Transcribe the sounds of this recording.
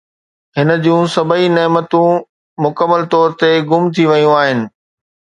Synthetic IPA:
ɦɪnə̆d͡ʑũsɐbəineːmət̪ũ | mʊkəmːəlt̪ɔːɾt̪eɡʊmt̪ʰiʋɐjũaːɦɪnɪ̆

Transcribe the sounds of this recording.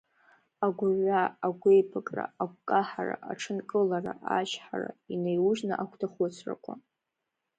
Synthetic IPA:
aɡʷʊʕʷaːɡʷejpʰakʼra̰aɡʷkʼaħara̰ʔaʈ͡ʂʰɨnkʼɨlaraʔaʃħara̰inejwuʒnɨ̰ʔakʷʰtʰaχot͡sʷʰra̰kʷʼa

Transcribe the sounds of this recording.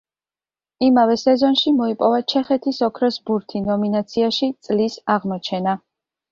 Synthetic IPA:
imavɛsɛzɔnʃimɔipʼɔvat͡ʃʰɛχɛt̪ʰisɔkʰɾɔsbuɾt̪ʰinɔminat̪sʰiaʃit̪sʼlisaʁmɔt͡ʃʰɛna

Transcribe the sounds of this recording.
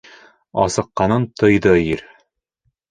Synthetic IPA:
ɒ̰sɤ̆qːɑnɤnt̪ɤ̆jd̪ɤjiɾ

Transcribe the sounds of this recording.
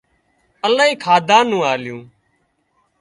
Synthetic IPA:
əlaːɦiːkʰaːd̪ʱãːnũːaːljũː

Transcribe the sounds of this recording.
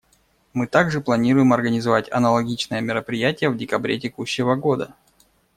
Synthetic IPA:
mɨt̪aɡʐɨplˠɐnʲiɾʊjɪmɐrɡənʲɪzɐvatʲɐ̰nəlˠɐɡʲit͡ɕnəjəmʲɪɾəpɾʲɪjætʲɪjəvdʲɪkɐbɾʲet̬ʲɪkuɕːɪvəɡo̞d̪ə

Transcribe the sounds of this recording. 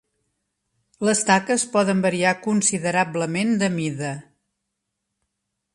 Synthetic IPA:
ləst̪akəspɔðəmbəɾiakunsiðəɾabləmend̪əmiðə

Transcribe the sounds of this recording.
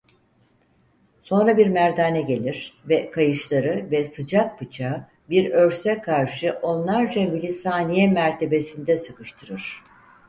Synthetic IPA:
so̞nɾabiɾmæɾd̪aːnɛɟe̞lʲiɾ̥vɛkʰajɯʃlˠaɾɯvɛsɯd͡ʒak̚pɯt͡ʃʰa | biɾø̞ɾsɛkʰaɾʃɯʔo̞nlˠaɾd͡ʒamilʲisaːnijɛmæɾt̪ʰe̞be̞sind̪ɛsɯkɯʃt̪ʰɯɾɯɾ̥

